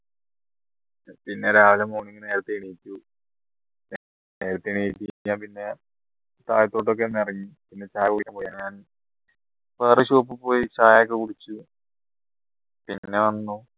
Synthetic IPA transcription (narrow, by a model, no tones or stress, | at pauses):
pinːe̞ɾaːʋilɐmoːɳiŋːɨnneːɾɐt̪ːɨiɳijitʲːu | ne̞ːɾɐt̪ːɨiɳijitʲːiaːmpinːe̞ | t̪aːjɐt̪ːo̞ːʈːok̬ːenːɨiɐriɲːipinːe̞t͡ɕaːjɐkːuɽikʲːaːmpoːjaːnɲaːn | peːrɐɕoːpːɨpo̞ːjit͡ɕaːjakːekuɽit͡ɕːu | pinːe̞ʋɐnːu